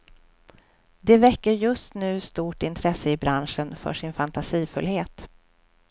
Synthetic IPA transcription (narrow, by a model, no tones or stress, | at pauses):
d̪ɛvɛkːəɾjɵst̪nʉ̟ːst̪uːʈɪnt̪ʰɾɛsːəɪbɾanʂənfœ̰ʂɪnfant̪asiːfɵlheːt̪